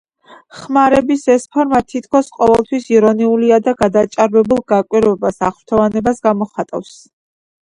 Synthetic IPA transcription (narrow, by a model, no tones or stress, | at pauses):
χmaɾɛbisɛspʰɔɾmat̪ʰit̪ʰkʰɔsqʼɔvɛlˠt̪ʰwisiɾɔniuliad̪aɡad̪at͡ʃʼaɾvɛbulˠɡakʼwiɾvɛbasaχɾt̪ʰɔvanɛbasɡamɔχat̪ʼa̰fs